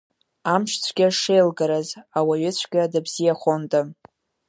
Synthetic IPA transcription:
amʃt͡sʷʰɡʲaʂejlɡaɾazawaɥɪt͡sʷʰɡʲadabzijaχʷontʼa

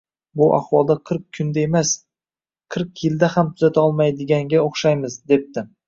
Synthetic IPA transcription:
bʊʔa̰hwɒlˠd̪aqʰɨɾq̚kʲʰːʊnd̪aemas | qʰɨɾqjɪld̪ahamt̪ʰʊzat̪ʰaɒlˠmajd̪ɪɡʲaŋɡʲaoχʃajmɪzd̪e̞p̚t̪ɪ

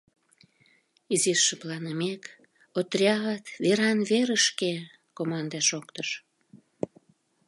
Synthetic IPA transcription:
iziʃːə̆plɑnəmek | ot̪rʲɑət̪βeɾɑnβeɾəʃke | komɑnd̪ɑʃokt̪əʃ

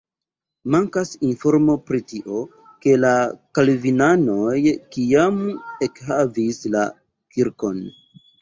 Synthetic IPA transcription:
maŋkasinfo̞ɾmo̞pɾitiʔo̞ | ke̞lakalvinano̞jkiame̞khavisla̰ | kiɾko̞n

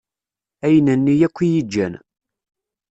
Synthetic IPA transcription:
æjnənːijækʷːijid͡ʒːæn

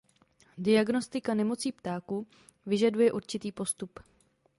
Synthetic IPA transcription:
dɪaɡno̞st̪ɪkanɛmo̞t͡siːpt̪aːku | vɪʒadujɛʔuɾt͡ʃɪt̪iːpo̞st̪up

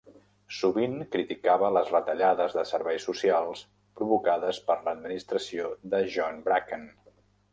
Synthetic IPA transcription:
suβiŋkɾit̪ikaβələzrət̪əʎaðəzðəsəɾβɛjsːusialˠs | pɾuβukaðəspəɾləd̪minist̪ɾəsiod̪əʒɔnbɾakən

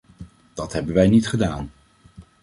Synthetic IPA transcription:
d̥ɑtɦɛbənʋɛjnitχədaːn

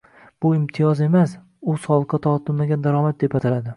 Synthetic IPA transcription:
b̥ʊɪmt̪ʰɪjɒze̞mas | ʊsɒlˠɨqːɑt̪ʰɒt̪ʰɪlmaɡʲand̪aɾɒmat̪̚d̪e̞pat̪ʰalad̪ɪ

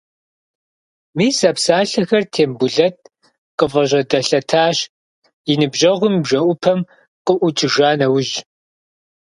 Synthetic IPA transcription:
miːsɐpsaːɬɐxɐrtʰeːmbʊɮɐt̚ʼ | qʼəvɐʑʷɐdɐɬɐtʰaːɕ | jɪnɨbʒɐʁʷʊmbʒɐʔʷʊpʰɐm | qʼəʔʷʊt͡ʃʼɪʒaːnɐwʊʒ

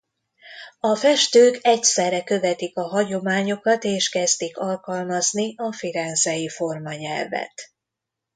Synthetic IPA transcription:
ɒfɛʃt̪øːkɛcsɛrːɛkø̞vɛt̪ikɒɦɒɟo̞maːɲo̞kɒt̪eːʃkɛzt̪ikɒlkɒlmɒzniɒfiɾɛnzɛjifo̞rmɒɲɛlvɛ̰t̪

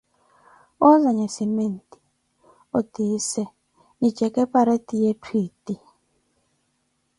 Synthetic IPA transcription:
ɔzaɲɛsimen̩ti̥ | otisɛ | nit͡ʃɛkɛpaɾetijetʰwiti

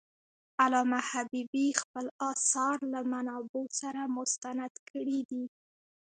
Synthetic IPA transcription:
alɑmahabibixpəlɑsɑɾlamanɑbosaɾamʊst̪anad̪̥kʰəɽid̪i

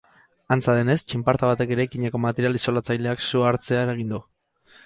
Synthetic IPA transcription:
ant͡saðe̞ne̞st͡ʃimpaɾt̪aβ̞at̪e̞ke̞ɾajkiɲeko̞mat̪e̞ɾialiso̞lat͡sajle̞aksuaɾt͡se̞aɾaɣ̞ind̪u

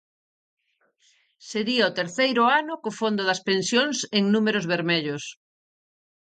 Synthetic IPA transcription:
seɾiɐot̪eɾθejɾʊanʊkofond̪ʊðɐspẽnsjoŋseŋnumeɾʊzβeɾmeʎʊs

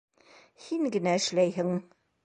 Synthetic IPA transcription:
hiŋɡɘ̆næɘ̆ʃlæjɦɘŋ

